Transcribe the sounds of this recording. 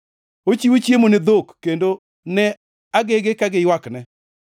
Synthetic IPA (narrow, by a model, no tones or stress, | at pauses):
ot͡ʃiwot͡ʃjemonɪd̪okːendo | nɛ | aɡeɡekaɡɪjwaknɛ